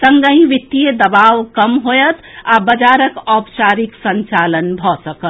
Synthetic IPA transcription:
səŋɡəɦĩʋit̪ːijed̪əbawkəmɦojət̪ʰabəd͡ʒaɾəkɔpt͡ʃaɾiksənt͡ʃalənbʱɔsəkət̪

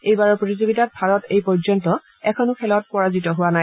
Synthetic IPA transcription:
ejbaɹɔɹpɹotizoɡitat̚bʱaɹɔtejpɔɹzɔntɔ | ɛkʰɔnʊkʰɛlɔt̚pɔɹazitɔɦʊwanaj

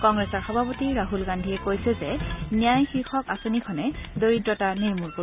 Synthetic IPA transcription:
kɔŋɡɹɛsɔɹxɔbʱapotiɹaɦulɡandʱiɛkojsɛzɛnijajxixʰɔkasonikʰɔnɛdoɹitɹɔtanejmuɹko

